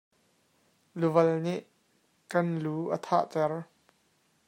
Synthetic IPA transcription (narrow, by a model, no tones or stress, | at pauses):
luvɐlniʔ | kɐnluːʔət̪ʰa̰ːʔt͡sɛr